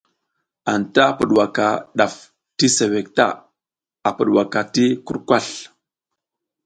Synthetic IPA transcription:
a˨nta˦˨pə˨ɗwa˨ka˨ɗa˨f | ti˦se˨we˨k̚ta̰˦ | a˨pə˨ɗwa˨ka˨ti˦ku˦ɾkʷa˦˨ɬ

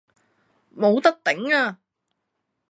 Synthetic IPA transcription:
mo˨˧wt̪ɐ˥k̚t̪ɪ˨˥ŋaː˧

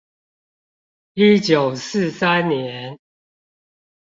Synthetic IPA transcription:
i˦t͡ɕjo˨˩ʊsɹ̩˥˨sa˦nːjɛ˨˦n

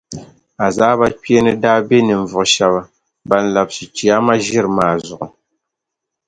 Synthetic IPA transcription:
a˨zaː˦ba˦k͡pi˦e˦nɨ˦daː˦be˦nɨ˨ɱ̩˨vʊ˨ʔʃɛ˦ba˦ | ba˦n̩˦la˨bsi˨t͡ʃi˨a˦ma˦ʒɪ˦ɾmaː˨zʊ˨ʔʊ˨

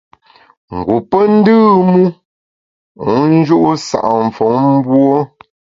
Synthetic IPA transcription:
ŋ̩˨ɡu˨pə˦n̩˦dɨː˦mu˦ | u˨˦n̩˦d͡ʒu˦ʔu˦sa̰˨ʔa˨ɱ̩˨fo˨˦ŋm̩˦bwɔ˦

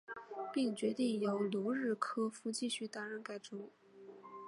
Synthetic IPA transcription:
pi˥˩ŋt͡ɕɥɛ˧˥t̪i˥˩ŋjo˧˥ʊlu˧˥ɻɻ̩˥˩kʰɤ˥fu˧˥˩t͡ɕi˥˧ɕy˥˩t̪a˧˥ɻə˧˥˩nka˥˩ɪʈ͡ʂʊ˥ŋ

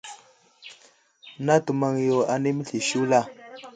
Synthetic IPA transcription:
na˦tu˨ma˨ŋ˨jo˨a˨ni˦mə˦ɬi˨ʃu˦la˦˨

